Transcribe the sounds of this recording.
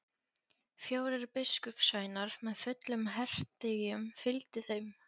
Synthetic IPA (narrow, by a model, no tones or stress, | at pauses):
fjaːwɾɪɾpɪskʏpsaːjnaɾ̥mɛðfʏt̪lʏmɦɛr̥t̪ɪjʏmfɪlt̪ɪθejm